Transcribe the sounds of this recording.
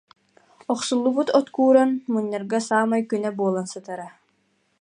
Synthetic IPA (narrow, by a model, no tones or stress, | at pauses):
ɔχsulˠːubut̪ɔt̪kuːɾanmuɲːaɾɡasaːmajkynɛbuɔlˠansɯt̪aɾa